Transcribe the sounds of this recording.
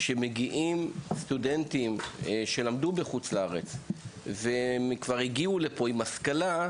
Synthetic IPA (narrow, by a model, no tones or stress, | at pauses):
ʃe̞meɡiʔimst̪ude̞ntimʃe̞lamd̪ubeχut͡slaaʁet͡svemkvaʁiɡiulepo̞imaskala